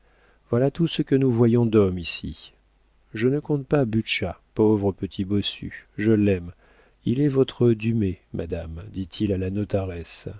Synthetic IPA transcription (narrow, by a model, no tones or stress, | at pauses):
vwalat̪usəkənuvwajɔ̃d̪ɔmisḭ | ʒənəkɔ̃t̪̚pabyʃapovʁəpət̪ʰibɔsy̰ʒəlɛm | ilɛvɔt̪χəd̪ymemʔa̰d̪amd̪it̪ʰilalanɔt̪aʁɛs